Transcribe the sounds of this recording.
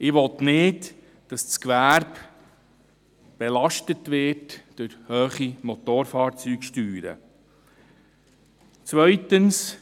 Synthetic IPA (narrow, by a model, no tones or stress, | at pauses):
ɪʋɔt̪nɪt | d̥ɑsskʋæɾb | b̥elɑʃtətʋɪɾtd̥øɾhøːχimotoːɾfɑːɾt͡syːɡʃtyːɾə̰ | t͡sʋœʏtəns